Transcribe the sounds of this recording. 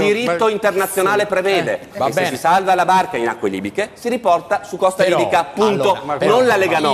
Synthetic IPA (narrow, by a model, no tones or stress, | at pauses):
d̪iɾit̪ːoint̪ernat̪sːjonaːlepɾevɛːd̪ekesesisalvalabarkainakːwelḭbikesiɾipɔrt̪asukːɔst̪aid̪ikaːpːuntt̪ononlaleɡanɔ